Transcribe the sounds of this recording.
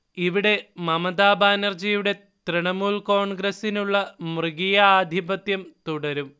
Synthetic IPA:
iʋiɽe̞mɐmɐd̪aːbaːnɐrd͡ʑijuɽe̞ | t̪riɳɐmuːlko̞ːɳɡɾɐsinuɭːɐmrɨɡijɐaːd̪ʱibɐt̪jɐmt̪uɽɐɾum

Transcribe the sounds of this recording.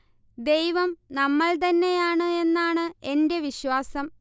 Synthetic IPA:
d̪e̞jʋɐmnɐmːɐɭt̪̬ɐnːe̞jaːɳɨe̞nːaːɳɨe̞nde̞ʋiɕʋaːsɐm

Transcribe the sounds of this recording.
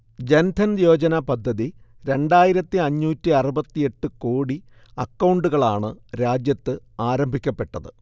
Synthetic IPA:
d͡ʑend̪ʱɐnjo̞ːd͡ʑɐnɐpɐd̪ʱːɐðiɾe̞ɳɖaːjiɾɐt̪ːiɐɲːuːtːiɐrubɐt̪ːije̞ʈːɨkoːɽi | ɐkːɐwɳɖuɣɐɭaːɳɨɾaːd͡ʑjɐt̪ːɨaːɾɐmbʱikʲːɐpːe̞ʈːɐðɨ

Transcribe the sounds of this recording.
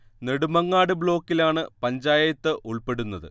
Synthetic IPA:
ne̞ɽumɐŋːaːɽɨbɭo̞ːkːilaːɳɨpɐɲd͡ʑaːjɐjɐt̪ːɨʔuɭpe̞ɽunːɐðɨ̰

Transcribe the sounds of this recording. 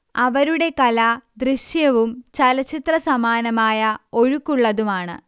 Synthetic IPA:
ɐʋɐɾuɽe̞kɐlɐd̪riɕjɐʋumt͡ɕɐlɐt͡ɕːit̪rɐsɐmaːnɐmaːjɐo̞ɻukːuɭːɐðumaːɳɨ̰

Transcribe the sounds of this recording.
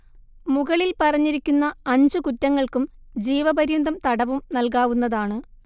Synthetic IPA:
muɣɐɭilpɐrɐɲːiɾikʲːunːɐɐɲd͡ʑɨkutːɐŋːɐɭkumd͡ʑiːʋɐbɐɾjund̪ʱɐmt̪ɐɽɐʋumnɐlk̬aːʋunːɐðaːɳɨ

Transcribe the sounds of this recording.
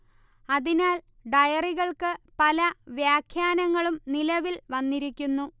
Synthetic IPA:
ɐðinaːl | ɖɐjɐriɣɐɭkɨpɐlɐʋjaːkʰjaːnɐŋːɐɭumnilɐʋilʋɐnːiɾikʲːunːu

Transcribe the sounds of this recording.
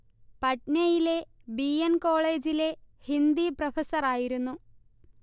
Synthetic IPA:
pɐʈnɐjile̞biɐnko̞ːɭe̞ːd͡ʑile̞hind̪iprɐfɐsɐraːjiɾunːu

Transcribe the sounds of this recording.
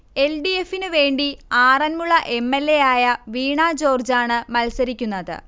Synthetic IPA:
e̞lɖie̞fːinɨʋe̞ːɳɖiaːrɐnmuɭːɐʔe̞mːe̞lːe̞jaːjɐʋiːɳaːd͡ʑo̞ːrd͡ʑaːɳɨmɐlsɐɾikʲːunːɐðɨ̰

